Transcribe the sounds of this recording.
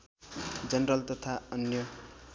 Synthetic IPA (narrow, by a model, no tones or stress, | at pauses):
d͡zʌnɾʌlt̪ʌt̪ʰaʌnjʌ